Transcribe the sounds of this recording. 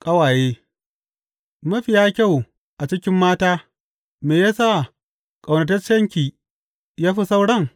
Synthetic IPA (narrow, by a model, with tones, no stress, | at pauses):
kʼɐ˦waː˨jeː˦ | mɐ˦ɸi˨jaː˦kʲa˦˨w | ʔa˨t͡ʃɪ˦kʲɪ˦mːaː˦taː˦ | meː˨jaː˦sa˦˨ | kʼa˨wnɐ˨tɐ˦rt͡ʃɐ˦ŋkʲiː˨ | jaː˦ɸi˦sa˦wɽɐ˦˨ŋ